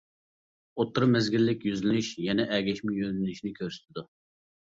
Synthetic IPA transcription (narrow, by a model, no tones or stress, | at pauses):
ot̪ʰːɾmɛzɡʲɪlːɪkʲjyzlɪnyʃjɛnɛʔɛɡʲɛʃmujølɪnyʃnɪkʲʰøɾsɪ̥t̪ʰɪd̪u